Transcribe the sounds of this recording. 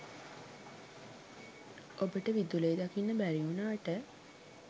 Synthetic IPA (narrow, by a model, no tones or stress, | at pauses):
ʔobəʈəʋid̪ulejːd̪akinːəbæɾiunaːʈə